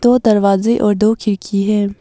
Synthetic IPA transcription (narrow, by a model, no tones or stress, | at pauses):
d̪oːd̪ɐɾʋaːzeʔɔːɾd̪oːkʰɪɾkʰiɦɛː